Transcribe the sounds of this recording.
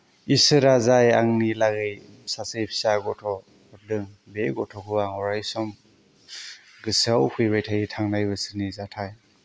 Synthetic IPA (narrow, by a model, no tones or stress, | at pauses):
isɯɾazajaŋnilaɡɯj | sasɯjpʰi̥saɡɔtʰɔ | kɔdɯŋbeɡɔtʰɔkʰɯaŋɔɾajsɔm | ɡɯsawhʰujbajtʰajitʰaŋnajbɯsɯnizatʰaj